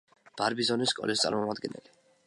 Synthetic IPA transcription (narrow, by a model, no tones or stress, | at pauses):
b̥aɾbizɔniskʼɔ̰list̪sʼa̰ɾmɔmad̪̚ɡɛnɛ̰li